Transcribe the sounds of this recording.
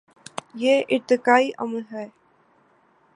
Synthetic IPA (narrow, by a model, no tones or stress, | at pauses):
jeːʔɪt̪ːɪkaːiʔɐ̰məlɦɛː